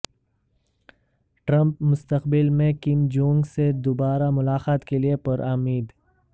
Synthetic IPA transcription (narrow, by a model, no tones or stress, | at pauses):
ʈɾɐ̃mpmʊst̪əqbɪlmẽkɪmd͡ʒõːŋɡsed̪ʊbaːɾamʊlaːxaːt̪keliepəɾʔaːmiːd̪